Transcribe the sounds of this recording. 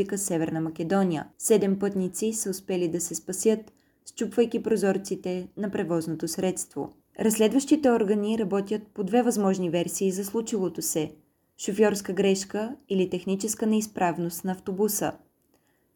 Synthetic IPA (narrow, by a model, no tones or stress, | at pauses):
ikəsɛvɛɾnəmɐk̟ʲɛd̪ɔnʲijə̰sɛd̪ɛmpɤt̪nit̪sisəʊspɛlid̪ɐsɛspɐsjət̪ | st͡ʃupvəjk̟ipɾozɔɾt̪sit̪ɛnɐpɾɛvɔznot̪osɾɛt̪st̪vo̰ | ɾɐslɛd̪vəʃt̪it̪ɛɔɾɡəniɾɐbɔt̪ʲjət̪̚pod̪vɛvɐzmɔʒnivɛɾsiːzɐslˠut͡ʃilˠot̪osɛ | ʃofjɔɾskəɡɾɛʃkəilit̪ɛxnit͡ʃɛskənɛispɾavnost̪nɐːft̪obusə̰